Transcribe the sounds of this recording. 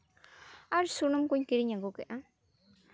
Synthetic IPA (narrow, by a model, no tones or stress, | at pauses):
aɾsunumkuɲkiɾiɲaŋɡukeʔa